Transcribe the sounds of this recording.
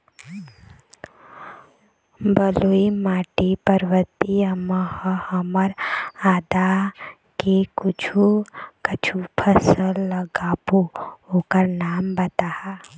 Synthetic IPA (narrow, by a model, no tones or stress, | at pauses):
bəluimaːʈipəɾʋət̪iəməhəhəməɾaːd̪a | kekʊt͡ʃʰukət͡ʃʰupʰəsəlːəɡaːbookəɾnaːmbɐt̪aha